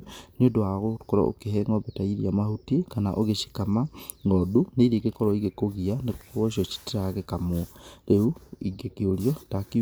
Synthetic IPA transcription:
nodwaɣokoɾa̰o̰keɦɛŋɔbetaiɾiamahutekana̰ʔoɣeʃi̥kamaŋɔduneɾeɡekɔɾɔiɣekoɣianekɣɔʃɔt͡ʃi̥teɾaɣekamwɔɾeuiɡekeoɾjɔtaki

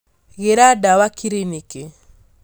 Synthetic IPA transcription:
ɣeɾadawakiɾinike

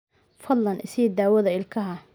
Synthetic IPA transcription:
fɐd̪lɐnʔɪsɛd̪aːwɐðɐɪlkʰɐɦɐ

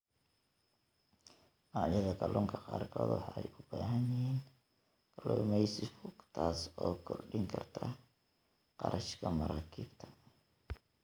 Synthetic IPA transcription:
ɑːjɐðɐɡɐlʔɔːŋkʰɐqɑːrkʰɔːd̪wɑħɑɛ̰jʊb̥aːɦɐnjɪhiːn | ɡlɔmɛjsɪfʊɡt̪ʰaːsɔːkʰɔrɖɪŋkʰɐrt̪ʰɐ | qɑ̰ɾʔɐʃkʰɐmɐɾaːkʰiːbt̪ʰɐ̥

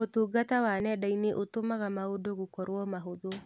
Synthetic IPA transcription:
otuːɡatawanɛdaineʔotomaɣamaodoɣokɔɾwɔmaɦoðo

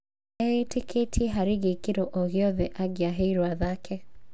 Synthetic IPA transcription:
ɛetekʰetʰiɛɦaɾeɣekeɾoʔoɣjɔðɛʔaɡeaɦeiɾwaðakʰɛ

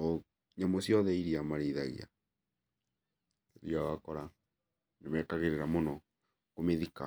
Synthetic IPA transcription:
ɲamosjɔðɛiɾiamaɾiːða̰ɣḭa̰ | eɾiawakɔɾa | nemɛtaɣeɾeɾamonɔ | komeðika̰

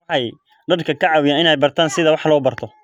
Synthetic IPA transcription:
ħɑj | ɖɐrkʰɐkʰɐʕɑwɪjaːnɪnɛjbɐrt̪ʰaːnsɪðɐwɑħlɔːbɐrt̪ʰɔ

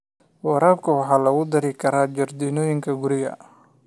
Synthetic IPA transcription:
wɑɾaːbkʰɐwɑħɑːlɐɣʊd̪ɐɾɪkʰɐɾaːd͡ʒɐrd̪iːnɔːjɪŋkʰɐɡʊɾɪɣɐ̰

